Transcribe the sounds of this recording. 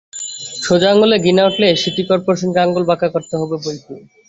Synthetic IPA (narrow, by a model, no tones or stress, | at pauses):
ʃod͡ʑaŋɡoleɡinaoʈleʃiʈikɔɾpoɾaʃonkaŋɡolbakakoɾt̪eɦɔbebolti